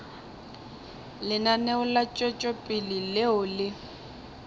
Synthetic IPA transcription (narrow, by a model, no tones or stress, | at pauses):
lɪnaneʊlat͡ʃʼɔt͡ʃʼɔpʼilileʊlɪ